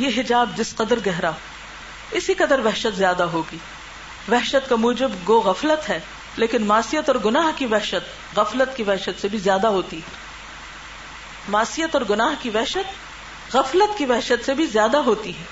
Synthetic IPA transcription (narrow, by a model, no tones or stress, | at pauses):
jeɦɪd͡ʒaːbd͡ʒ̪ɪsqɐd̪əɾɡɛɦɾaɦ | ɪsiqɐd̪əɾʋɛɦʃət̪zjaːd̪aɦoːɡiː | ʋɛɦʃət̪kamuːd͡ʒɪbɡoːɣɐflət̪ɦɛː | leːkɪnmaːsijət̪ɔːɾɡʊnaːɦkiʋɛɦʃət̪ | ɣɐflət̪kiʋɛɦʃət̪sebʱizjaːd̪aɦoːt̪iɦɛː | maːsijət̪ɔːɾɡʊnaːɦkiʋɛɦʃət̪ | ɣɐflət̪kiʋɛɦʃət̪sebʱizjaːd̪aɦoːt̪iɦɛː